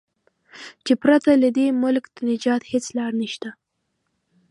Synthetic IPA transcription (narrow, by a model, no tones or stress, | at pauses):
t͡ʃepɾat̪alad̪emʊlkd̪̥anɪd͡ʒɑt̪het͡slɑɽniʃt̪a